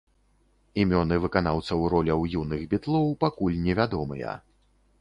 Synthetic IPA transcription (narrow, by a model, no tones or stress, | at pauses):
imʲɔnɨvɨkanawt̪sɐwɾɔlʲɐwjunɨɣbʲit̪lˠɔwpakulʲnʲɛvʲad̪ɔmɨjɐ̰